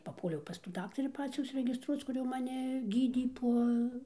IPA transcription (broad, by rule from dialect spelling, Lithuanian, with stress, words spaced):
pɐˈpuɔlʲɛʊ pɐs tuː ˈdɑːktɐrʲiː ˈpɑːt͡sʲuː ʊʃʲsʲɪrʲɛɡʲɪsˈtruɔt͡s ˈkʊr jɛʊ mɐˈnʲɪ ˈɡʲiːdʲeː ˈpoː